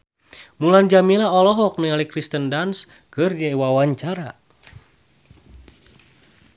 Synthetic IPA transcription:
muland͡ʒamilaɔlɔɦɔk̚nəŋalikɾist̪əndans | kɨrdiaiwawaɲt͡ʃaɾa

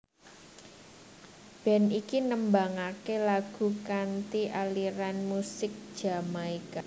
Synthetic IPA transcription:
b̥ɛ̤nikinəmbaŋakelaɡ̥ṳkant̪iʔaliɾanmusɪk̚d̥ʒ̥a̤maika

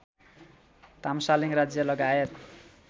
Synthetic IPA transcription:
t̪amsaliŋrad͡zjʌlʌɡaet̪

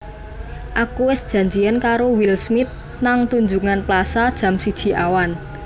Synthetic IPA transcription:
ʔakuwɪsd̥ʒ̥ä̤ɲd͡ʒiankaɾowilsmɪt̪̚ | naŋt̪uɲd͡ʒuŋanplasad̥ʒ̥ä̤msid̥ʒ̥i̤ʔawan

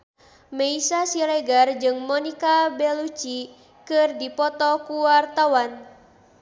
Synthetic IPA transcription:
meisasilɛɡard͡ʒɨŋmɔnikabɛlut͡ʃi | kɨrdipɔt̪ɔkuwart̪awan

